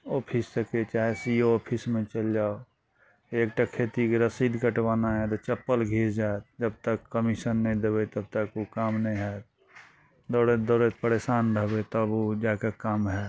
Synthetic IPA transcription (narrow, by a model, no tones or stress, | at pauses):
ɔːpʰissəket͡ʃaːɦesioɔːpʰismẽt͡ʃəld͡ʒaːo | eːk̚ʈakʰeːt̪ikɾəsiːd̪ɡəʈwaːnaɦɛt̪ot͡ʃəpːəlɡʱiːɾd͡ʒaet̪̚d͡ʒəb̚t̪əkːəmisənːĩd̪ebet̪əb̚t̪əkukamnəĩɦɛ | d̪ɔːɾet̪̚d̪ɔːɾet̪̚pəɾeːsaːnɾəɦbet̪ɔbod͡ʒaːkakamɦɛː